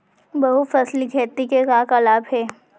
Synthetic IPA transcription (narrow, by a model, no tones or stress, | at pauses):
bɐɦufɐsliɡʱɛːt̪ikekakɐlaːbɦɛː